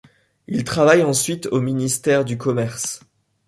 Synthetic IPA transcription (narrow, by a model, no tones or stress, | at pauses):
ilt̪χavajɑ̃sɥit̪ominist̪ɛʁd̪ykɔmɛʁs